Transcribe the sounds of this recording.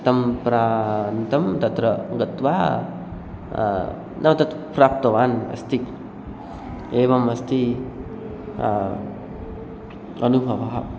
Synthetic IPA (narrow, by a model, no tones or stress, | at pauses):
t̪ɐmpɾant̪ɐmt̪ɐt̪ɾɐɡɐt̪wa | nʔɐmt̪ɐt̪pɾaːp̚t̪ɐwaːnɐ̰st̪ʰik | eːʋɐmɐst̪i | ɐnubʱɐbaɦ